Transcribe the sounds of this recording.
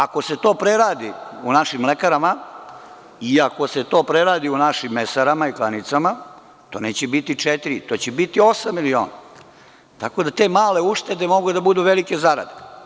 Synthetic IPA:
ako̞se̞t̪o̞ːpɾeɾaːd̪iunaʃimlekaɾama | iako̞se̞t̪o̞ːpɾeɾaːd̪iunaʃimːesaɾamaiklanit̪sama | t̪o̞ːne̞ːt͡ɕebit̪it͡ʂet̪iɾit̪o̞ːt͡ɕebit̪io̞samːilio̞ːna | t̪ako̞d̪at̪e̞ːmaːle̞uʂt̪e̞d̪emoɡud̪abud̪uʋelike̞zaɾa̰d̪e

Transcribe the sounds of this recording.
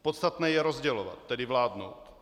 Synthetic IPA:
pot̪st̪at̪nɛːjɛɾozɟɛlova̰t̪ːɛdɪvlaːdno̰wt̪

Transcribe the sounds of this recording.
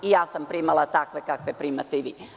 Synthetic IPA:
ijaːsampɾimalˠat̪akʋekakʋepɾiːmat̪eiʋiː

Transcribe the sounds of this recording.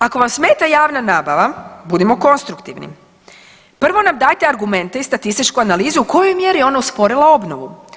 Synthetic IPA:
ako̞ʋamsme̞ːt̪ajaːʋnanaːbaʋabud̪imo̞ko̞nst̪ɾukt̪iʋnḭ | pr̩ʋo̞namd̪aːjt̪eaɾɡume̞nt̪e̞ist̪at̪ist̪it͡ʃkuanaliːzuːko̞jojmje̞ɾijɛo̞nauspo̞ɾilˠao̞bnoʋu

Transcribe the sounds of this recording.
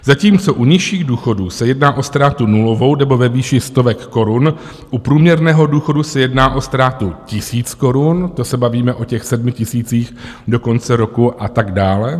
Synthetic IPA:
zaciːmt͡so̞ʔuɲɪʃiːɣduːxo̞duːsɛjɛdnaːʔo̞st̪ɾaːt̪unulovo̞wnɛbo̞vɛviːʃɪst̪o̞vɛkːo̞ɾun | ʔupɾuːmɲɛɾnɛːɦo̞duːxo̞dusɛjɛdnaːʔo̞st̪ɾaːt̪ucɪsiːt͡sko̞ɾunt̪o̞sɛbaviːmɛʔo̞cɛxsɛdmɪcɪsiːt͡siːx | do̞ko̞nt͡sɛɾo̞kuʔat̪aɡdaːlɛ

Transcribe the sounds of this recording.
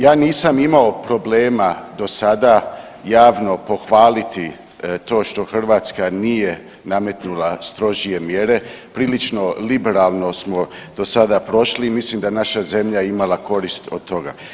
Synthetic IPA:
jaːniːsamimaopɾo̞ble̞ːmad̪o̞sad̪a | jaːʋno̞po̞xʋaːlit̪i | t̪o̞ːʃt̪o̞xr̩ʋaːt̪skanije̞ | name̞t̪nulast̪ɾo̞ʒije̞mje̞ɾe̞pɾiːlit͡ʃno̞libeɾaːlˠno̞smo̞ | d̪̥o̞sad̪apɾo̞ʃlimislimd̪anaʃaze̞mʎajeimalako̞ɾist̪o̰d̪̚t̪o̞ɡa̰

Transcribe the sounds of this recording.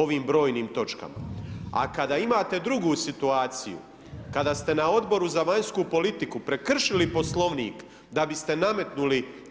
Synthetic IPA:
o̞ʋiːmbɾo̞ːjniːmt̪o̞t͡ʃka̰ma̰a̰kad̪aːimaːt̪e̞d̪ɾuɡuːsit̪uaːt̪sḭjṵ | kad̪aːst̪e̞nao̞d̪bo̞ɾuzaʋaɲskupo̞lit̪ikupɾe̞kr̩ʃilipo̞slˠo̞ʋniːk | d̪abist̪e̞name̞t̪nuli

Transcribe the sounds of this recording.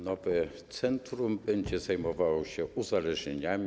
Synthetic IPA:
nɔvɛ | t̪sɛnt̪ɾumbɛɲd͡ʑɛzajmɔvawɕɛʔuzalɛʐɲeɲamʲi

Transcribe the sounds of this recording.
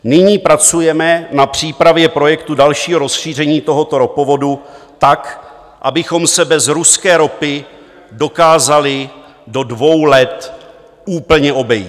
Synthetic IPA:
nɪɲiːpɾat͡sujɛmɛnapr̝̥iːpɾavjɛpɾo̞jɛkt̪udalʃiːɦoɾo̞sʃiːr̝ɛɲiːt̪o̞ɦo̞t̪o̞ɾo̞po̞vo̞dut̪ak | ʔa̰bɪxo̞msɛbɛzɾuskɛːɾo̞pɪ | do̞kaːzalɪ | do̞dvo̞wlɛt̪ | uːpl̩ɲɛʔo̞bɛjiː

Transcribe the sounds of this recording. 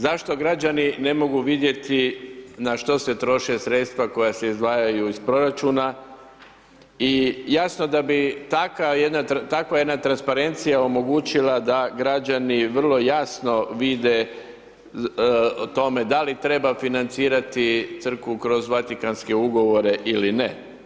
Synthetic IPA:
zaʃt̪o̞ɡɾad͡ʒanine̞mo̞ɡuʋid̪je̞t̪inaʃt̪o̞se̞t̪ɾo̞ʃe̞sɾe̞t̪st̪ʋako̞jase̞izd̪ʋaːjajuispɾo̞ɾat͡ʃuːna | ijasno̞d̪abit̪akajed̪naɾat̪akʋaje̞d̪nat̪ɾanspaɾe̞nt̪sijao̞mo̞ɡut͡ʃilad̪aɡɾad͡ʒaniʋr̩lˠo̞jasno̞ʋid̪e̞ | t̪o̞me̞d̪alit̪ɾe̞bafinant̪siːɾat̪it̪sr̩kʋukɾo̞zʋat̪ikanske̞uɡo̞ʋo̞ɾe̞ʔiline

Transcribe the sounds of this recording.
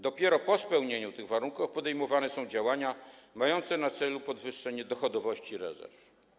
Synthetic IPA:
d̪ɔpʲjɛɾɔpɔspɛwɲeɲut̪ɘɣvaɾuŋkafpɔd̪ɛjmɔvanɛsɔ̃w̃d͡ʑawaɲamajɔnt̪sɛnat̪sɛlupɔd̪vɘʂːɛɲɛd̪ɔxɔd̪ɔvɔɕt͡ɕiɾɛ̰zɛ̰ɾf

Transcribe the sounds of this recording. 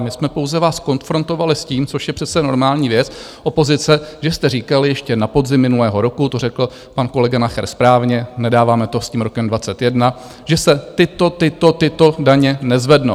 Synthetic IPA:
mɪsmɛpo̞wzɛvaːsko̞nfɾo̞nt̪o̞valɪsciːmt͡soʃjɛpr̥ɛt̪t͡sɛno̞ɾmaːlɲiːvjɛt͡s | ʔo̞po̞zɪt͡sɛʒɛst̪ɛriːkalɪjɛʃcɛnapo̞zɪmːɪnulɛːɦo̞ɾo̞kut̪o̞rɛkl̩ | panko̞lɛɡanaxɛ̰ɾspɾaːvɲɛnɛdaːvaːmɛt̪o̞sciːmɾo̞kɛmdvat͡sɛt̪jɛdna | ʒɛsɛt̪ɪt̪o̞t̪ɪt̪o̞t̪ɪt̪o̞daɲɛnɛzvɛdno

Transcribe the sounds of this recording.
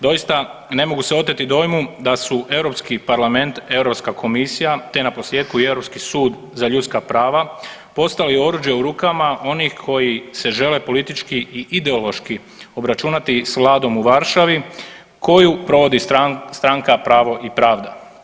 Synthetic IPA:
d̪o̞jist̪ane̞moɡuseo̞t̪̬et̪id̪o̞jmud̪asuʔe̞ʋɾo̞pskipaɾlame̞nt̪e̞ʋɾo̞pskakʰo̞misijat̪e̞napo̞slʲjeːd̪kuie̞ʋɾo̞pskisuːd̪ | zaʎut̪skapɾaːʋa | po̞st̪alio̞ɾuːd͡ʒjeuɾuːkamaʔo̞nixkʰo̞jise̞ʒe̞le̞po̞lit̪it͡ʃkiiʔid̪e̞o̞lˠo̞ʃki | o̞bɾat͡ʃuːnat̪isʋlˠaːd̪o̞muʋaɾʃaʋi | kʰo̞jupɾo̞ʋo̞d̪ist̪ɾaŋkapɾaːʋo̞ʔipɾaːʋd̪a̰

